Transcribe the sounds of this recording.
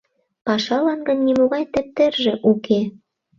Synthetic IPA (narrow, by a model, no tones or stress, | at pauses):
pɑʃɑlɑnɡə̆nːimoɣɑjt̪ĕp̚t̪erʒĕʔukʰe